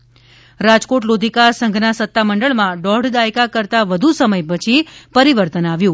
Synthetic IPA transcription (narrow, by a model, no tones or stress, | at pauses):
ɾad͡ʒkoʈlod̪ʱikasə̃ŋɡʱnasət̪ːaməɳɖəɭmãɖɔɖd̪ajkakəɾt̪aʋəd̪ʱusəməjpət͡ʃʰipəɾiʋəɾt̪ənaʋjũ